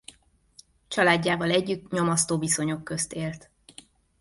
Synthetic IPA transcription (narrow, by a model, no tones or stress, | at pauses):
t͡ʃɒlaːɟːaːvɒlɛɟːyt̪ɲo̞mɒst̪oːbiso̞ɲo̞kːø̞st̪eːlt̪